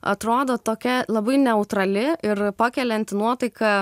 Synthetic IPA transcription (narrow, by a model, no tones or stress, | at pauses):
ɐ̰t̪ɾoːd̪oːt̪oːkʲɛlˠɐbɐɪnʲɛʊt̪ɾɐlʲɪɪɾpɑkʲɛlʲɛnʲt̪ʲnuɔt̪ɐɪkɐ